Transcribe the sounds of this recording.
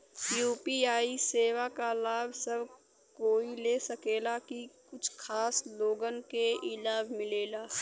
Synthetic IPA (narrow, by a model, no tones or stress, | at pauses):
juːpiːaːiseːwakalaːbʱsəbʱ | koːileːsəkeːlakikʊt͡ʃʰkʰaːsloːɡənkeɪlaːbʱmɪleːlaː